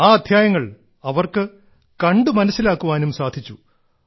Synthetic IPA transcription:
aːɐd̪ʱjaːjɐŋːɐɭ | ɐʋɐrkɨ | kɐɳɖɨmɐnɐsːilaːkːuʋaːnumsaːd̪ʱit͡ɕːu

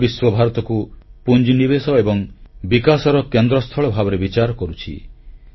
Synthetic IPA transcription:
biswɔbʱaɾɔt̪ɔkupund͡ʒinibesɔebɔŋbikasɔɾɔkend̪ɾɔst̪ʰɔɭɔbʱabɔɾebit͡ʃaɾɔkɔɾut͡ʃʰḭ

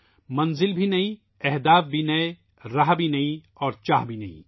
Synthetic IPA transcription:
mɐnzɪlbʱinɐɦĩ | ɛɦd̪aːfbʱinɐe | ɾaɦbʱinɐĩ | ɔːɾt͡ʃaːɦbʱinɐḭ̃

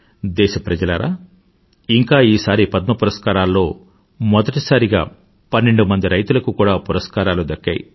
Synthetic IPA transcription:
d̪ɛːʃɐpɾɐd͡ʒɐlɐɾa̰ː | iŋkaːiːsaːɾipɐd̪̚mɐpuɾɐskaːɾaːlːo̞ː | mɔd̪ɐʈisaːɾiɡa̰ː | pɐnːe̞ɳɖumɐnd̪iɾɐjt̪ulɐkukuːɽaːpuɾɐskaːɾaːlud̪ɐkːa̰ːjḭ

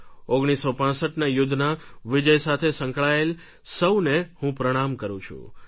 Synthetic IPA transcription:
oɡɽ̃isːopãsəʈnajʊd̪ʱːnaʋɪd͡ʒəjsat̪ʰesə̃ŋkɭael | səwnehũpɾəɽ̃amkəɾũt͡ʃʰṵ̃

